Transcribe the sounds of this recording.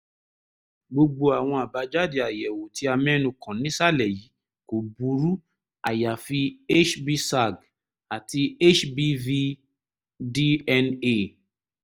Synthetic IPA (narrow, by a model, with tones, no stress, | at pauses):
ɡ͡bo˧ɡ͡bo˧a˨w̃ɔ̃˧a˨ba˨˦d͡ʒa˦di˨a˨jɛ˨wo˨ti˨˦a˧mɛ̃˦nũ˧kʰã˨nĩ˦sa˦lɛ˨ji˨˦ | ko˨bu˨˦ɾu˦ | a˨ja˨fi˧e˦t͡ʃbi˧sa˦˨ɡ | a˨ti˧e˦t͡ʃbi˧vi˦˧ | di˦ɛ˧ne˦